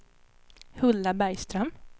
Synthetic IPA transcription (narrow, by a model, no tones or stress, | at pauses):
hɵlːabæɾjst̪ɾœm